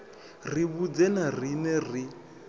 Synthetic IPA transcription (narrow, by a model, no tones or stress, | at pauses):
riβud͡zɛnarinɛri